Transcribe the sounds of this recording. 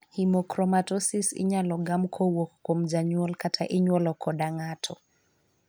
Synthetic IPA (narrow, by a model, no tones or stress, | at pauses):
himɔkɾɔmatɔsisɪ̰ɲalɔɡamkʰɔwokkomd͡ʒaɲwɔlkatʰaʔɪɲwɔlɔkʰɔdaŋatʰɔ